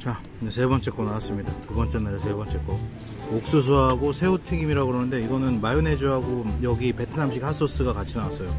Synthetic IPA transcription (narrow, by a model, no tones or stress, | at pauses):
t͡ɕa | esʰe̞bʌnt͡ɕ͈e̞k͈onawas͈ɯmɲidatubʌnt͡ɕ͈e̞naɾesʰe̞bʌnt͡ɕ͈e̞k͈o | ok̚s͈us̬ʰuɦaɡosʰe̞utʰiɡimiɾaɡoɾʌnɯnde̞iɡʌnɯnmajune̞d͡ʑuɦaɡojʌɡipe̞tʰɯnamɕ̬ʰikhʰas͈ʰos͈ɯɡakat͡ɕʰinawas͈ʌjo